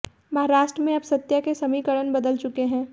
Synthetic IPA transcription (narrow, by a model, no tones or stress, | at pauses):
mɐɦaɾaːʃʈɾəmẽɐbsɐt̪jakesɐmikəɽənbɐd̪əlt͡ʃʊkeɦɛ̃ː